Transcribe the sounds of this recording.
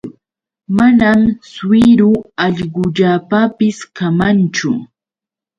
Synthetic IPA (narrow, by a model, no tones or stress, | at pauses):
manamswɪɾʊɑʎɢʊʎapapɪskamant͡ʃʊ̰